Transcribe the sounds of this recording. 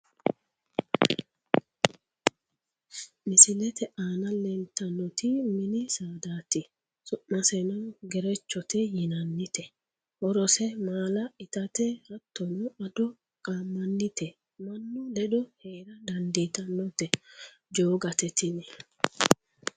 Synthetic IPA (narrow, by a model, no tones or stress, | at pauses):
mɪsɪlɛt̪ɛʔaːnɐlɛnt̪ɐnːɔt̪ɪmɪnɪsaːd̪aːt̪ɪ | sɔʔmɐsɛnɔnɡɛɾɛt͡ʃːɔt̪ɛjɪnɐnːɪt̪ɛ | hɔɾɔsɛmaːlɐɪt̪ɐt̪ɛhɐt̪ːɔnɔɐd̪ɔ | kʼaːmːɐnːɪt̪ɛ | mɐnːʊd̪ɛd̪ɔheːɾɐd̪ɐnd̪iːt̪ɐnːɔt̪ɛ | d͡ʒoːɡɐt̪ɛt̪ɪnɛ